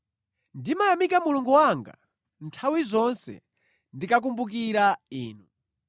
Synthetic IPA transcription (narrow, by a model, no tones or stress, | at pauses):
ndimajamikamuluŋɡuwaŋɡa̰ | ntʰawizɔnsɛ̰ | ndikak̬umbuk̬iɾaiːnu